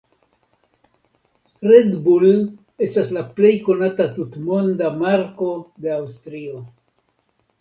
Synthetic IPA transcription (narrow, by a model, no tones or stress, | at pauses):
ɾe̞dbul | e̞staslaple̞jko̞natatutmo̞ndamaɾko̞de̞awstɾio̞